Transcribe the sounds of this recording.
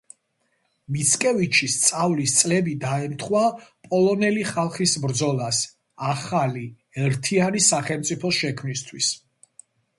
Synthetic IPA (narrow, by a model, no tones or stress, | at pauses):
mit̪sʰkʼɛvit͡ʃʰist̪sʼavlist̪sʼlɛbid̪aɛmt̪ʰχwapʼɔlˠɔnɛliχalˠχisbɾd̪zɔlˠas | aχali | ɛɾt̪ʰianisaχɛlmt̪sʼipʰɔsʃɛkʰmnist̪ʰwis